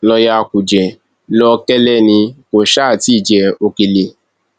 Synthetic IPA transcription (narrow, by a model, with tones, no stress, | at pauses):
lɔ˧ja˧ku˨d͡ʒɛ̃˨ | lɔ˧kɛ˦lɛ˦nĩ˧ko˨ʃa˦˨ti˨˦˨d͡ʒɛ˧o˧ke˧le˧˨